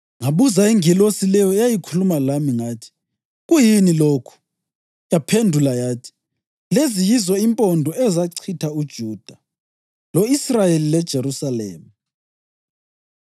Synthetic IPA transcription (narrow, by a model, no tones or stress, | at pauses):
ŋaβuzaiŋilosilɛjɔjajikʰulumalamiŋaːtʰi̥ | ɣujiniloːkʰu̥ | japʰendʱulajaːtʰi̥ | lezijizɔimpʼɔndʱɔɛzaǀʰitʰaud̥ʒ̥ʱud̥ʱa | loisrajelilɛd̥ʒ̥ʱeɾusalḛːma